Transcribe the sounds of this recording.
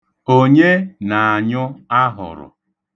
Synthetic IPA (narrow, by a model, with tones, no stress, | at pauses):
o˦ɲe˦na˨a˨ɲʊ˦a˦ɦʊ̰˨ɾʊ̰˨